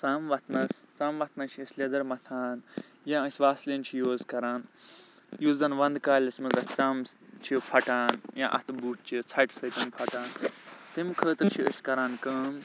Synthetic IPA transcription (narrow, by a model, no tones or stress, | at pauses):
t͡saːmʋɐt̪ʰnɐst͡saːmʋɐt̪ʰnɐt͡ʃʰəsʲlʲed̪ɐɾmɐt̪ʰaːn | jãəsʲʋaːslint͡ʃʰijoːzkɐɾaːn | juːzɐnʋɐnd̪kaːlʲɐsmɐzɐst͡samt͡ʃʰipʰɐʈaːnjã̰ʔɐ̰t̪ʰbuːʈ̚t͡ʃʰit͡sʰɐʈsɐt̪ɐnpʰɐʈaːnt̪imkʰəːt̪ɨɾt͡ʃʰiə̰sʲkɐɾaːnkəːm